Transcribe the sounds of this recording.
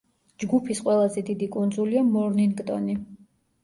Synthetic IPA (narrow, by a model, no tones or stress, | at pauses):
d͡ʒɡupʰisqʼwɛlˠazɛd̪id̪ikʼund̪zuliamɔɾninɡt̪ʼɔ̰ni